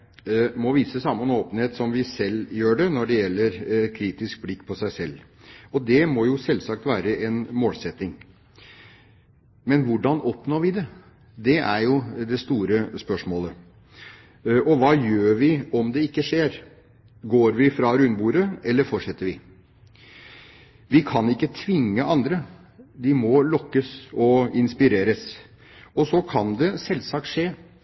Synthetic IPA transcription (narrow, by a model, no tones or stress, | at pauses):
mɔʋiːsəsɑmːənoːpənheːt̪sɔmʋɪsɛljøːɖɛnɔɖɛjɛlːəɾkʰɾiːt̪ɪsk̚blɪkːpʰɔsæɪsɛlː | ɔd̪ɛmɔjʊsɛlːsɑk̚t̪ʋæːɾəɛnmoːlsɛt̪ːɪŋ | mɛnʋʊɖɑnɔpnoːʋɪd̪ɛ | d̪ɛʔæɾjʊd̪ɛst̪uːɾəspœʂmoːlə | ʔɔʋɑːjøːɾʋɪɔmd̪ɛɪkːəʂeːɾ | ɡoːɾʋɪfɾɑɾʉnbuːɾəɛlːəɾfɔʂɛt̪ːəɾʋɪ | ʋɪkʰɑnɪkːət̪ʰʋɪŋːəʔɑnd̪ɾə | d̪ɪmɔlɔkːəsɔɪnspɪɾeːɾəs | ɔsɔkʰɑnd̪ɛsɛlːsɑk̚t̪ʂeː